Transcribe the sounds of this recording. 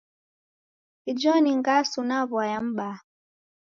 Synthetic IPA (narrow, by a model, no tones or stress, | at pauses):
id͡ʒɔniŋɡasunaβwajam̩ɓa